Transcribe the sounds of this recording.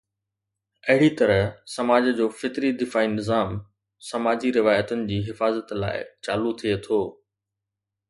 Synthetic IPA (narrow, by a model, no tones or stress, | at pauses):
ɐɦɪɽit̪ɐɾəɦsɐmaːd͡ʑd͡ʑoːfɪt̪ɾid̪ɪfaːinɪzaːm | sɐmaːd͡ʑiɾɪʋaːjət̪ənɪ̆d͡ʑiːɦɪfaːzət̪la̰ːɪ̰t͡ɕaːlut̪ʰiet̪ʰoː